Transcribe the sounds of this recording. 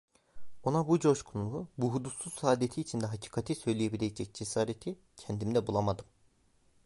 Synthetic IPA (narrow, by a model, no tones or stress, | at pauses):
o̞nabud͡ʒo̞ʃkʰunulˠubuɦud̪usuz̥saːd̪et̪ʰiːt͡ʃʰind̪ɛɦacʰi̥ːkʰat̪ʰisø̞jlʲijebilʲed͡ʒɛc̚d͡ʒe̞saːɾet̪ʰi | cʰɛnd̪imd̪ɛbulˠamad̪ɯm